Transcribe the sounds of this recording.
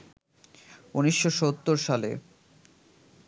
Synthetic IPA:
uniʃːoʃot̪ːoɾʃalḛ

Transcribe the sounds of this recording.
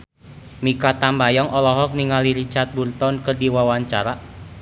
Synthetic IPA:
mikat̪ambajɔŋʔɔlɔɦɔk̚niŋaliɾit͡ʃart̪̚burt̪ɔnkərdiwawaɲt͡ʃaɾa

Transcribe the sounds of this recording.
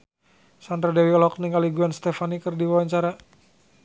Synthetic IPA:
sand̪ɾadɛwiɔlɔk̚niŋaliɡuanst̪ɛfanikərdiwawaɲt͡ʃaɾa

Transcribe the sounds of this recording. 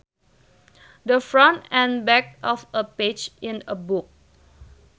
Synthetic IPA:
dəfɹɔ̃ntɛ̃nbɛk̚ɔfəped͡ʒɪ̃nəbuk̚

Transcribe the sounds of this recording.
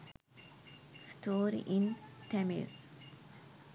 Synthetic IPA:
sʈʰoːɾḭʔĩnʈʰɛmḭɾ

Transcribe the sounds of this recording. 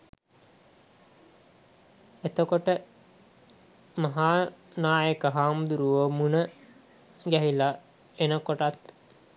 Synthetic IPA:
et̪okoʈə | maɦaːnaːjəkəɦaːmd̪uɾuʋəmunə | ɡæɦila | enəkoʈat̪

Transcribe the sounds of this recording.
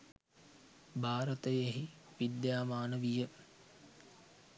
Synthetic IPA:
bʱaːɾət̪əjeɦi | ʋid̪jaːmaːnəʋijə

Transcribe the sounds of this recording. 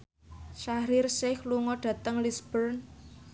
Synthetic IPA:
ʃaɾɪrsɪhluŋɔɖ̥ä̤t̪əŋlisb̥ərn

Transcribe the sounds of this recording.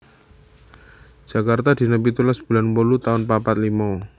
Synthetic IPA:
d͡ʒ̥akart̪ad̪̥i̤nəpit̪ulasb̥ṳlanpolut̪aʊnpapat̪̚limɔ

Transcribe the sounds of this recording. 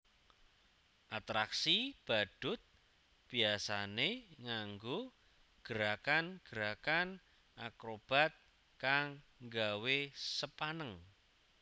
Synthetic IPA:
ʔat̪ɾaksib̥a̤ɖ̥ʊ̤t̪̚ | b̥i̤asaneŋaŋɡo | ɡ̥əɾakanɡ̥əɾakan | ʔakɾob̥a̤t̪̚ | kaŋ | ŋɡawesəpanəŋ

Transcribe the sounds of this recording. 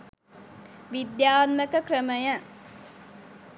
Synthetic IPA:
ʋid̪jaːt̪məkəkrəməjə

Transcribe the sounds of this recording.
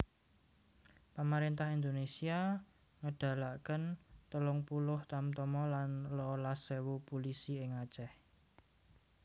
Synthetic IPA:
pamaɾent̪ahind̪onesia | ŋəɖ̥ä̤laʔkənt̪əlʊŋpulʊht̪amt̪ɔmɔlanlɔlasewupulisiɪŋat͡ʃɛh

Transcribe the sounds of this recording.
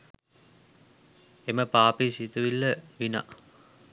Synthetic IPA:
eməpaːpisit̪uʋilːəʋina̰

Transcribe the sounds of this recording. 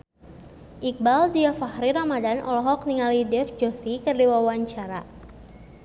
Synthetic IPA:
ʔik̚baldiafahɾiɾamadanʔɔ̰lɔɦɔk̚niŋalidɛfd͡ʒɔsikərdiwawaɲt͡ʃaɾa

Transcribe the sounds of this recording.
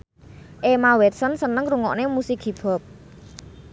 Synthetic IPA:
ʔemawɛt̪̚sənsənəŋɾuŋɔ̰ʔnemusikib̥ɔ̤p̚

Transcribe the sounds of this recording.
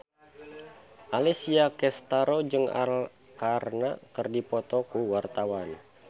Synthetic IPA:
ʔalɛsiakɛst̪aɾod͡ʒɨŋa̰l | karnakərdipɔt̪ɔkuwart̪awan

